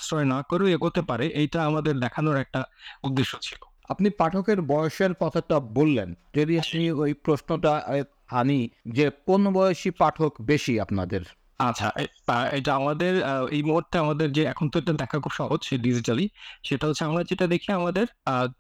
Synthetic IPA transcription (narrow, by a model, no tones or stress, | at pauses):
sɾɔenakoɾoeɡot̪epaɾeʔejʈaamad̪eɾd̪ɛkʰanoɾɛk̚ʈaud̪ːeʃːot͡ɕʰi̥lo | a̰pnipaʈʰokeɾbɔoʃeɾpɔt̪ʰaʈabolːenteɾiapniojpɾosnoʈae | anid͡ʑekonobɔjoʃipaʈʰokbeʃiapnad̪eɾ | at͡ɕʰa̰ʔe | ejʈaamad̪eɾejmoɾt̪ʰeamad̪eɾd͡ʑeɛkʰont̪oeʈad̪ɛkʰakʰubʃɔɦod͡ʑʃeɖid͡ʑʱiʈaliʃeʈaɦot͡ɕʰːeamlad͡ʑeʈad̪ekʰiamad̪eɾ